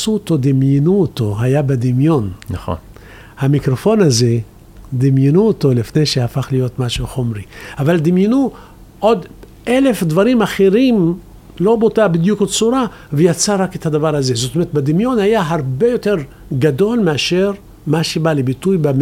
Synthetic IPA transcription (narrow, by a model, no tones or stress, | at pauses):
sut̪o̞d̪imjenuot̪o̞ɦajabed̪imjo̞nnao̰ | hamikɾo̞fo̞naze | d̪imjenuot̪o̞lifne̞jʃehafaχlijo̞t̪maʃuχomʁiavald̪imjenu | ʔo̞d̪ | ele̞fd̪vaɾimaχeʁim | lo̞botabid̪jukod̪̚t͡suɾa | vejat͡saʁaket̪had̪avaʁhaze̞zot̪omeɾet̪bed̪imjo̞nhajaɦaʁbe̞jo̞t̪e̞ʁ | ɡad̪o̞lmeaʃeʁ | maʃebalebit̪ujbe